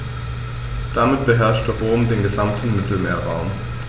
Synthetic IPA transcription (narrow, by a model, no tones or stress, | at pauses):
d̥amɪtb̥əɦɛɐʃtɛʁoːmdeːnɡəzamtʰn̩mɪtl̩meːɐʁaʊm